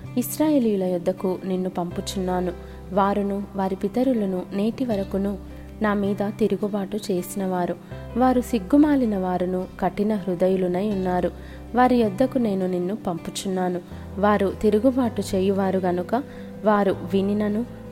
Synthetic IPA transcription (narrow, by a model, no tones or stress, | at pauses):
isɾaːjeːlijulɐjɔd̪ːɐkuninːupɐmput͡ʃunːaːnu | ʋaːɾunuʋaːɾipit̪ɐɾulunune̞ːʈiʋɐɾɐkunu | naːmiːd̪ɐt̪iɾuɡubaːʈut͡ʃe̞ːsinɐʋaːɾu | ʋaːɾusiɡːumaːlinɐʋaːɾunukɐʈːinɐɦɾud̪ɐjulunɐjunːaːɾu | ʋaːɾijɔd̪ːɐkune̞ːnuninːupɐmput͡ʃunːaːnu | ʋaːɾut̪iɾuɡubaːʈut͡ʃeːjuʋaːɾuɡɐnukɐ | ʋaːɾuʋininɐnu